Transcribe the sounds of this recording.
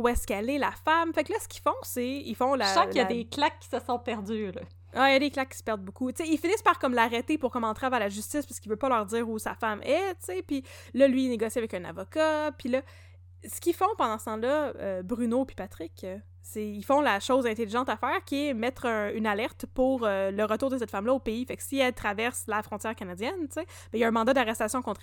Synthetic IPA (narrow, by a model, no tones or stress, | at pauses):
uɛskɛlɛlafamfaklʌsə̥kʲi̥fɔ̃seilfɔ̃laɑ̃jad̪eklakːi̥səsɔ̃pɛʁd̪ylɔ | ailjad̪eklakʲːi̥sə̥pɛʁd̪̚bukut͡seilfinɪspaʁkɔmlaʁɛt̪epʊʁkɔmɑ̃t̪ʁavalaʒyst͡sɪspaʁskilvøpʌlœːʁdd͡z̪iːʁusa̰famɛt͡sepi | lʌlɥiːneɡɔsiavɛkœ̃na̰vɔkapilʌ | sə̥kʲifɔ̃pɑ̃d̪ɑ̃sə̥t̪ɑ̃lʌøbʁynopi̥pat̪ʁɪk | seilfɔ̃laʃoʊzɛ̃t̪eliʒɑ̃t̪afɛːʁkʲiɛmɛt̪χœ̃ynalɛʁt̪puʁøləʁət̪uːʁd̪əs̬ɛt̪famlʌopeifɛksiɛlt̪χavɛʁslafʁɔ̃t̪jɛːʁkanad͡zjɛnt͡se | bɛjaɛ̃mɑ̃d̪ad̪aʁɛst̪asjɔ̃kɔ̃t̪